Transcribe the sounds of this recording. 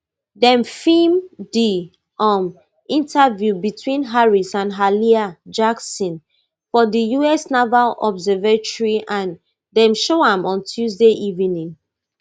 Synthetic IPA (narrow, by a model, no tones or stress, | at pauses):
dɛ̃mfimdi | ɔm | ĩntʰavjubitʰwĩnɦaɹisãnɦaliad͡ʒaksɔ̃n | fɔdijuɛsnɔvalɔbzɛvetɔɹiʔãn | dɛ̃mʃoãmɔ̃ntʰjuzdeʔivĩnĩŋ